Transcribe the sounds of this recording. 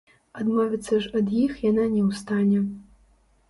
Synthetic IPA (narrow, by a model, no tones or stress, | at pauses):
ad̪mɔvʲit̪sːɐʐɐd̪jixjananʲɛwst̪anʲɛ